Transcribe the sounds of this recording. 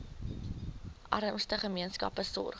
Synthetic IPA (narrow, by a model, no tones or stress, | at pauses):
ʔɐɾəmstəχəmiənskɐ̰pəsɔ̰r